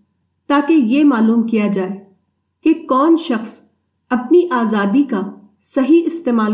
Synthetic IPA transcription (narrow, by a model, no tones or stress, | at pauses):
t̪aːkejemaːluːmkijad͡ʒaːe | kekɔːnʃɐxs | ɐpniʔaːzaːd̪ika | sɐɦiɪst̪eːmaːl